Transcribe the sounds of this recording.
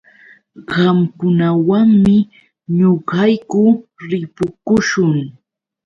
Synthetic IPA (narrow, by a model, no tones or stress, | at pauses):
ɢɑmkʊnawaŋmɪ | ɲʊɢɑjkʊɾɪpʊkʊʃʊŋ